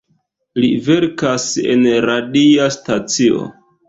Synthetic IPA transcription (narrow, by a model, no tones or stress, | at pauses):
live̞ɾkase̞̰nɾadiastat͡sio̞̰